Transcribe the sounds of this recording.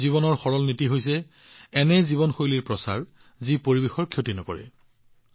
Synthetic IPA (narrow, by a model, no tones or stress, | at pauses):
ziβɔnɔɹxɔɹɔlnitiɦojsɛ | ɛnɛzibɔnxojliɹpɹɔsa̰ɹ | zipoɹibexɔɹkʰjotinɔkɔ̰ɹɛ̰